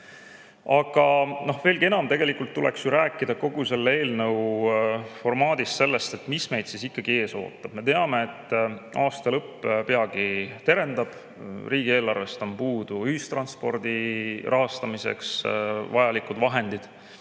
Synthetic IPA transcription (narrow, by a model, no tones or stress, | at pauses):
ɑɡ̥ɑno̞hve̞ːlɡie̞nɑmt̪e̞ɡ̥e̞likːˑult̪ːulʔe̞̰ksjuɾæːkːˑid̪ɑko̞ɡ̥use̞lːe̞ːlnɤw | fo̞rmɑːd̪̥ist̪se̞lːest̪e̞t̪ːmisme̞jd̪̥sisikːɑɡ̥ie̞ːso̞̰ːt̪ˑːɑb̥me̞t̪eɑme̞ːt̪ːˑɑːst̪ɑlɤpːˑpe̞ɑɡit̪e̞ɾe̞nd̪̥ɑb̥ | riːɡie̞ːlːɑrve̞st̪ompuːd̪̥uyhist̪ɾrɑnspo̞̰rd̪irʔɑɦɑst̪ɑmisḛksvɑjɑlikud̪vɑɦe̞nd̪̥id̪̥